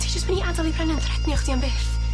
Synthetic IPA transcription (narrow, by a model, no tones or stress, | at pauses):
tʰid͡ʒəstmaniadɔlˠibʰrɛnəntʰrɛdniɔχd̥ianbeːθ